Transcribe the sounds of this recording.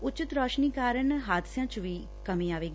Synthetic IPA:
ʊt͡ʃɪt̪ɾɔːʃniːkaːɾəɳɦaːd̪sjãːt͡ʃʋiː | kəmĩːaːʋeːɡ

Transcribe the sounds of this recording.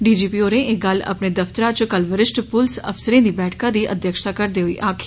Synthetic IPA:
ɖiːd͡ʒiːpiːoːɾẽːʔeɡələ̰pneːd̪əft̪əɾãt͡ʃkəlʋəɾɪsʈpʊlsə̰fsəɾẽːd̪iːbɛːʈʰkãːd̪iːʔə̰d̪jəkʃt̪aːkəɾd̪eːɦoḭːʔaːkʰː

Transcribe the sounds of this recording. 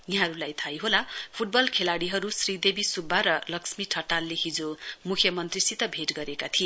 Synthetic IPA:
iɦãɾulajt̪ʰajɦolapʰuʈ̚bʌlkʰelaɽiɦʌɾusrid̪ebisubʱːaɾʌlʌksmiʈʰʌʈalːeɦid͡zomukʰjʌmʌnt̪risit̪ʌbʱeʈɡʌɾekat̪ʰie

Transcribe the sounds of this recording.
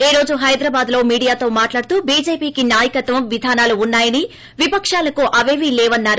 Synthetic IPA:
eːɾo̞ːd͡ʒuɦɐjd̪ɾɐbaːd̪lo̞ːmiːɽijaːt̪o̞ːmaːʈlaːɽt̪uːbiːd͡ʒeːpiːkinaːjɐkɐt̪ʋɐmʋid̪ʱaːnaːluːnːaːjɐni | ʋipɐkʂaːlɐkuʔɐʋeːʋilɛːʋɐnːaːɾu

